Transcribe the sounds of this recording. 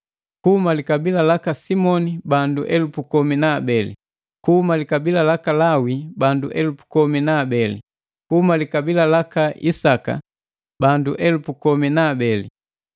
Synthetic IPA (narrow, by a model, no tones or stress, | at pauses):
kuhumalikabilalakasimɔnibanduʔɛlupukɔminaːbɛlḭ | kuumalikabilalakalawibandṵʔɛlupu̥kɔminaːbɛlḭ | kuhumalikabilalakaḭsaka̰ | banduʔɛlupukɔminaːbɛlḭ